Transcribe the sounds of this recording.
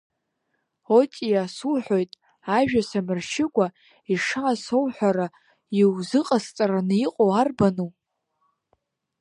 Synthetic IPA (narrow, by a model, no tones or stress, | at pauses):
otʼijasulħʷᶣo̞jtʼ | aʒᶣasamɨrʃɪɡʷʼa | iʂaːsowħʷᶣaɾa | iwzɨqʼast͡sʼaranɨiqʼowarbanu